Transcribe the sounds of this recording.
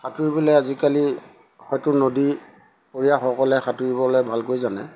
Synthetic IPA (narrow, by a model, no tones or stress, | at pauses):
xatuɹibɔlɛjazikali | xɔjtʊnodi | poɹijaxɔkɔlɛxʰatuɹibɔlejbʱalkojzanɛ̰